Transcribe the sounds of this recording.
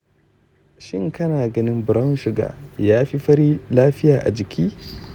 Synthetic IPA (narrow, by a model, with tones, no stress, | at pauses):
ʃɪ˦ŋkɐ˦naː˨ɡɐ˦nɪ˦mbʊ˨ɾɐ˦n˦ʃɪ˨ɡa̰ː˨jaː˦ɸi˦ɸɐ˦ɾiː˦laː˦ɸɪ˦jaː˨ʔa̰˨d͡ʒɪ˨kʲʰiː˦